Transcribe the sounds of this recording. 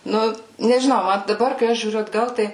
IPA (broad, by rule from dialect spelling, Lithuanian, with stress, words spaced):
ˈnʊ nʲɛʒʲɪˈnɐʊ ˈmɐn dɐˈbɐr kɐɪ ˈɐʃ ʒʲuːˈrʲʊ ɐdˈɡɐlˠ ˈtɐɪ